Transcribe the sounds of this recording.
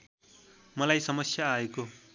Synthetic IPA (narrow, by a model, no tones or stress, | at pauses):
mʌlajsʌmʌsjaːeko